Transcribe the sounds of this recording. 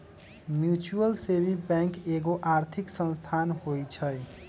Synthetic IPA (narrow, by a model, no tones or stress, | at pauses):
mjut͡suʌlsebibjaŋkeɡoʔaɾt̪ʰiksʌnst̪ʰanhojt͡sʰʌj